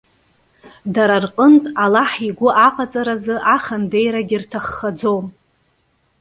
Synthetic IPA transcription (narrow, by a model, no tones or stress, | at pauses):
daɾarqʼəntʼalaħiɡʷʊʔaqʼat͡sʼaɾazɨʔaχande̞jɾaɡʲirtʰaχːad͡zo̞wm